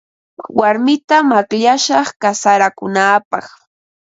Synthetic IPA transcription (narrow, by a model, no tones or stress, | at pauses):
waɾmɪt̪amakʎaʃɑχkasaɾakʊnaːpɑ̰χ